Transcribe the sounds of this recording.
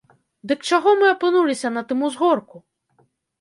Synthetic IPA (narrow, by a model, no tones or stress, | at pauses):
d̪ɨkt͡ʂaɣɔmɨɐpɨnulʲisʲɐnɐt̪ɨmuzɣɔrku